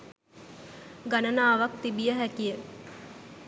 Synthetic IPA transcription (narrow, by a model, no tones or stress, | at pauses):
ɡanənaːʋak̚t̪ibijəɦækijə